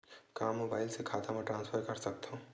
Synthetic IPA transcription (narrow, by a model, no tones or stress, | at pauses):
kamːobaɪlsekʰat̪ʰameʈɾãːnspʰəɾkəɾsək̚t̪ʰə̃